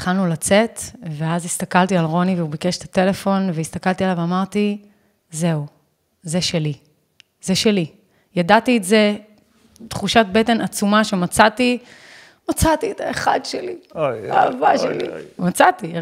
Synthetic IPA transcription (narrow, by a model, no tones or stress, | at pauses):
χalnulat͡se̞tveazist̪akalt̪ialʁo̞niveubikeʃe̥t̪ate̞le̞fo̞nveist̪akaltialaveamaʁt̪i | ze̞u | zeʃeli | zeʃeli | jadatiːtze̞ | tχuʃat̚bete̞nat͡sumaʃe̞mat͡sat̪i | mat͡sat̪ietaeχa̰dʃelia̰ːvaʃelḭmat͡sat̪i